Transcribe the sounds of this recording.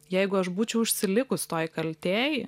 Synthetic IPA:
jɛɪɡʊɐʃbuːt͡ʃʲɛʊɪʃʲsʲɪlʲɪkʊst̪oːjkɐlʲt̪ʲeːjɪ

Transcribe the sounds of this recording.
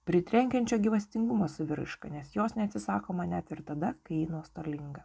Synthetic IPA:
pʲɾʲɪt̪ʲɾʲɛŋʲkʲɛnʲt͡ʃʲoːɡʲɪʋɐsʲt̪ʲɪŋɡʊmoːsʊʋʲɪɾ̰ʃkɐ̰nʲɛsjoːsnʲɛɐt̪ʲsʲɪsɑːkoːmɐnʲæt̪ɪɾt̪ɐd̪ɐkɐɪjinuɔst̪ɐlʲɪŋɡɐ

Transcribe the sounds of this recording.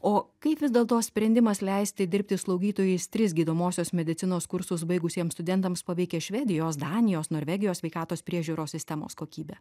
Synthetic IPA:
oːkɐɪpʋʲɪzd̪ʲɛːlˠt̪oːsʲpʲɾʲɛnʲd̪ʲɪmɐslʲɛɪsʲt̪ʲɪd̪ʲɪɾʲpʲt̪ʲɪslˠɐʊɡʲiːt̪oːjʊɪst̪ʲɾʲɪsɡʲiːd̪oːmoːsʲoːsmʲɛd̪ʲɪt̪sʲɪnoːskʊɾsʊsbɐɪɡʊsʲiɛmst̪ʊd̪ʲɛnt̪ɐmspɐʋʲɛɪkʲɛʃʲʋʲɛd̪ʲɪjoːs̬d̪ɑːnʲɪjoːsnoːɾʲʋʲɛɡʲɪjoːsʲʋʲɛɪkɑːt̪oːspʲɾʲiɛʒʲuːɾoːssʲɪsʲt̪ʲɛmo̰ːskoːkʲiːbʲɛ

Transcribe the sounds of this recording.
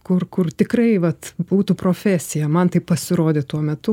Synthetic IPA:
kʊrkʊrt̪ʲɪkrɐɪʋɐt̪buːt̪upɾoːfʲæsʲɪjɛmɐnt̪ɐɪppɐsʲɪɾoːd̪ʲet̪uɔmʲɛt̪ʊ

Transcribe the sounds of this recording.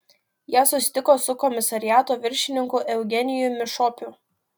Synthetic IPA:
jæːsʊsʲɪ̥t̪ʲɪkoːsʊkɔmʲɪsɐɾʲɪjæːt̪oːʋʲɪɾʲʃʲɪnʲɪŋkʊʔɛʊɡʲɛnʲɪjʊmʲɪʃoːpʲʊ

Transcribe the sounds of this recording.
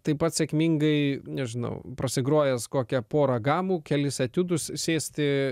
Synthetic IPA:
t̪ɐɪpɐt̪sʲɛːkmʲiŋɡɐɪnʲɛʒʲɪnɐ̰ʊpɾɐsʲɪɡɾoːjɛskoːkʲɛpoːɾɐɡɑːmuːkʲɛlʲɪsɐt̪ʲʊd̪ʊssʲeːsʲt̪ʲɪ

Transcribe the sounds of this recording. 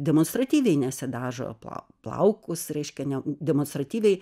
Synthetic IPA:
d̪ʲɛmonst̪ɾɐt̪ʲiːʋʲɛɪnʲɛsʲɪd̪ɑːʒo̰pˠɐ̰ | plˠɐ̰ʊkʊsɾʲɛɪʃʲkʲɛnʲɛdʲɛmonst̪ɾɐt̪ʲiːʋʲɛɪ

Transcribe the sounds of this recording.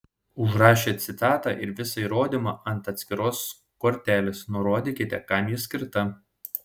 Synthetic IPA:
ʊʒɾɑːʃʲeːt̪sʲɪt̪ɑːt̪ɑ̰ʔɪɾʋʲɪsɐiːɾoːd̪ʲimɑːʔɐnt̪ɐt̪sʲkʲɪɾoːs | koːɾʲt̪ʲæːlʲɪsnʊɾoːd̪ʲekʲɪt̪ʲɛkɑmʲjɪsʲkʲɪɾt̪ɐ

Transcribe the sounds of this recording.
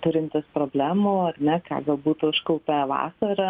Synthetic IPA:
t̪ʊɾʲɪnʲt̪ʲɪspɾoːbʲlʲæːmoːɐɾʲnʲɛkɑ̰ːɡɐlˠbuːt̪ʊɪʃkɐʊpʲɛʋɑ̰ːsɐɾɐ

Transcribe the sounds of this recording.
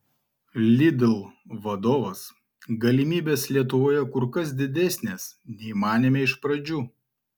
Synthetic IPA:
lʲɪd̪ʲɪlˠʋɐd̪oːʋɐs | ɡɐlʲɪmʲiːbʲeːslʲiɛt̪ʊʋoːjɛkʊɾkɐs̬d̪ʲɪd̪ʲɛsʲnʲeːsnʲɛɪmɑːnʲɪmʲeɪʃpɾɐd͡ʒʲuː

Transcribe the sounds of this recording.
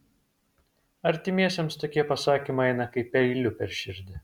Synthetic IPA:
ɐɾʲt̪ʲɪmʲiɛsʲɛmst̪oːkʲiɛpɐsɑːkʲimɐɪɛɪnɐkɐɪpʲɛɪlʲʊpʲɛɾʲʃʲɪɾʲd̪ʲɪ

